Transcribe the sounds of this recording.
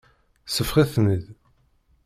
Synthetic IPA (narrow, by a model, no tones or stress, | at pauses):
səfχiθməð